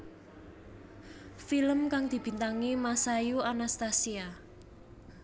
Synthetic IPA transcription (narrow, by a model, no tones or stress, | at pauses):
filəmkaŋd̪̥i̤b̥i̤nt̪aŋimasajuanast̪asia